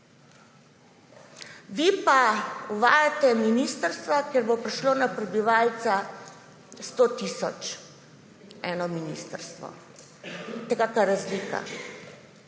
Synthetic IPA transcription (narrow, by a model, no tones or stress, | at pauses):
ʋipauʋaːjat̪ɛminist̪əɾst̪ʋakjɛɾbopɾiʃloːnapɾɛbiʋaːlt̪sa | st̪ot̪isɔ̰t͡ʃ | ɛːnɔminḭst̪əɾst̪ʋɔ̰ | t̪ɛkakaɾazlika̰